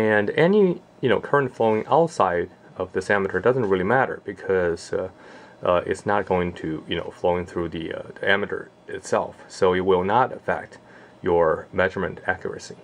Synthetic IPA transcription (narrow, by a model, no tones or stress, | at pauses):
ɨ̃nɛni | jɨnoʊkʰɜ̃˞ɨ̃ntfloʊɪ̃ŋʔa̰ʊtsaɪɾ | ʌvðɪsæmɨɾə˞dʌzn̩t̚ɹɪlˠimæɾə̰˞b̥ɨkʰʌz̥ | ʔɪ̰tsnət̚ɡ̥oʊɪ̃ŋtʰɨjɨno̰ʊfloʊɪ̃ŋθɹʉðiʌ̰ðiæmɨɾə̰˞ | ɨtsɛ̰lˠfsoʊɨt̚wɪlˠnəɾɨfɛ̰k̚t | jə˞mɛʒə˞mɨ̃ntʰækʰjə̰˞ɨ̰si